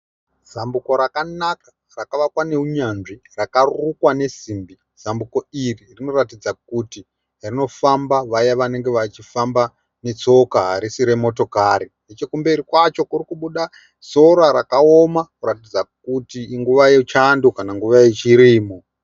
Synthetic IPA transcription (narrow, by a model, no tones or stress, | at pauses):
z̥ambuko̞ɾakanakḁ | rakaʋakwane̞uɲanʐirakarukwane̞simbi | z̥ambuko̞iririno̞ratid͡zak̚uti | rino̞fambaʋajaʋane̞ŋɡe̞ʋat͡ʃifamba | ne̞t͡so̞kaɦaɾisiɾe̞mo̞to̞kaɾinet͡ʃe̞kumbeɾikwat͡ʃo̞kurikuɓuɗa | so̞ɾaɾakaomakuɾatid͡zak̚utiːŋɡuʋajet͡ʃandokanaŋɡuʋajet͡ʃiɾiːmo